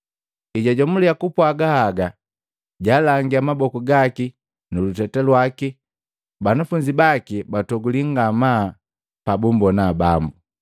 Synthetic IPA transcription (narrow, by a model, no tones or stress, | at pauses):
iɟaɟɔmuliakupwaɡahaɡa | ɟaːlaŋɡiamabɔkuɡaki | nulutɛtɛlwaki | banafuɲd͡ʒibakibatɔɡuliŋɡama | pabumbɔnabambu